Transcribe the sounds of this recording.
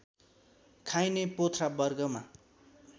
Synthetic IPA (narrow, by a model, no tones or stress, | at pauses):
kʰajnepot̪ʰrabʌrɡʌma